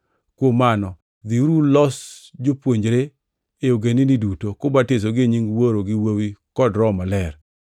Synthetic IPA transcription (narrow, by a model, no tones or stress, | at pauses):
kwomanɔ | d̪iɾulɔsd͡ʒopwoɲd͡ʒɾe | eoɡeninidutokʊbates̬oɡeɲiŋwoɾoɡɪwowikɔdɾɔmalɛr